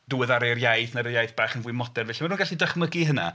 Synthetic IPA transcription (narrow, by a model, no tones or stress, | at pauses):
d̥ʊwɪðaɾejrjajθnaɾəjajθb̥aːχənvuwɨmɔdɛrvɛɬimaruːnɡaɬidaχməɡiɦəna̰